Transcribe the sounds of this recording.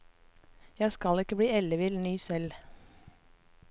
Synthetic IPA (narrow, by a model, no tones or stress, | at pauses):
jæɪskɑlɪkəbɽiːɛləʋɪlnyːsɛl